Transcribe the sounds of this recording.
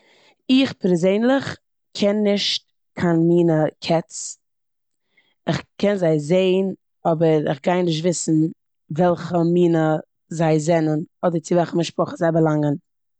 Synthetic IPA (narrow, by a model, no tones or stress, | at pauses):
ɪχpɛɾzeɪnlˠɪχ | kʰɛnːɪʃt̚ | kʰanmiːnəkʰɛt͡s | ɪχkʰɛnzaɪzeɪn | ɔbəɾɪ̰χɡaɪnɪʃtvɪsn̩ | vɛlˠχəmiːnə | zaɪzɛnənɔdəɾt͡sɪvɛlˠχəmɪʃpʊχəzaɪbalˠaŋən